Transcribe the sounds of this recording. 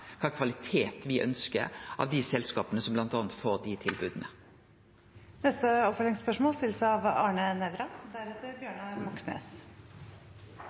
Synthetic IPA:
kʰɑːkʰʋɑlɪt̪ʰeːt̪ʋɪʔœ̰nskə̰ɾɑ̰ːʋd̪ɪsɛlskɑːpənəsɔmblɑnt̪ɑːnt̪foːʁd̪ɪt̪ʰɪlbʉːd̪ənə | nɛst̪əɔpfœlɪŋspœʂmoːlst̪ɪləsəɑʋɑːɳənɛʋɾɑd̪æɾɛt̪ːəɾbjøːɳɑmɔksnḛːs

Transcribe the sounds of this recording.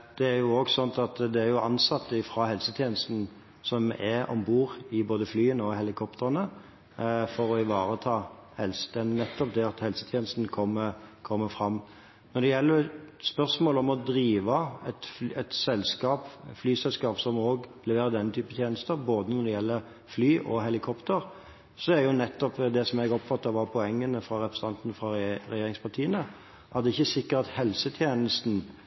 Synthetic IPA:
d̪̥ɛæjʊoːɡsɔnt̪ɑt̪d̪ɛæɾjʊʔɑnsɑt̪ːəɪfʁɑːhɛlsət̪ʰjeːnəst̪n̩ | sɔmɛɔ̰mbuːʁɪboːd̪əflyːənɔhɛlɪkʰɔpt̪ʰəʁənə | fɔɾɔɪʋɑːʁət̪ʰɑːhɛlsə̥t̪ʰɛnnɛt̪ːɔp̚d̪ɛɑt̪hɛlsət̪ʰjeːnəst̪nkʰɔmːəkʰɔmːəfɾɑmː | nɔd̪ɛjɛlːəspœʁsmoːlɔmɔd̪ɾiːʋɑɛt̪fɛt̪sɛlskɑːpflyːsɛlskɑːpsɔmoːɡlɛʋeːɾəd̪ɛnːət̪ʰyːpət̪ʰjeːnəst̪əɾboːd̪ənɔd̪ɛjɛlːəɾ | flyːʔɔɦɛlɪkʰɔpt̪əɾ | sɔæɾjʊnɛt̪ːɔpd̪ɛsɔmɛɡɔpfɑt̪ːɑʋɑpʰɔɛŋːənəfɾɑɾɛpɾəs̩ɑnt̪ənfɾɑɾɛjeːɾɪŋspʰɑʈʰiːənə | ʔɑd̪ɛɪçːəsɪkːəɾt̪ɑt̪hɛlsət̪ʰjeːnəst̪n̩

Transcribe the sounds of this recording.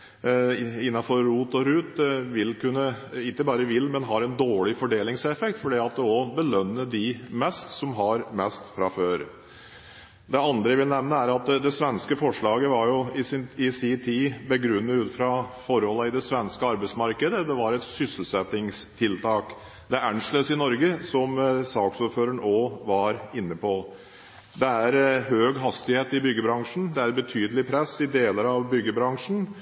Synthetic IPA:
ɪnːɑfɔɾːuːt̪ɔɾʉːt̪ʋɪlːkʉnːə | ɪkːəbɑːɾəʋɪlmɛnɦɑɾɛnd̪oːɭɪfɔɖeːlɪŋsɛfɛkt̪fɔɖiːɑt̪̚d̪ɛɔbəlœnːəɖɪmɛst̪sɔmɦɑɾmɛst̪fɾɑføːɾ | d̪ɛɑnd̪ɾəɪʋɪlnɛʋnəæɾɑt̪d̪ɛsʋɛnskəfɔʂɭɑːɡəʋɑɾjʊɪɪsit̪ʰiːbəɡɾʉnːəʉːt̪fɾɑfɔɾhɔlːəɪd̪ɛsʋɛnskəɑɾbɛɪtsmɑɾkəd̪əd̪ɛʋɑɾɛt̪sʏsəl̩sɛt̪ɪŋst̪ʰɪlt̪ʰɑːk | d̪ɛæʔæɳʂløːsɪnɔɾɡəsɔmsɑːksuːɾføːɾəɳoːʋɑɾɪnːəpʰɔ | d̪ɛæɾɦøːɡɦɑst̪ɪheːt̪ɪbʏɡːəbɾɑŋʂɳ̩d̪ɛæɾbət̪ʰyːd̪əlɪpʰɾɛsːɪd̪eːləɾɑʋbʏɡːəbɾɑŋʂn̩

